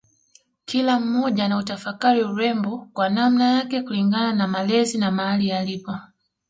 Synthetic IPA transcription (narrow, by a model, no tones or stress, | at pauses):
kilam̩mɔʄanautafakaɾiuɾɛmbɔkwanam̩najakɛkuliŋɡananamalɛzinamahalijalipɔ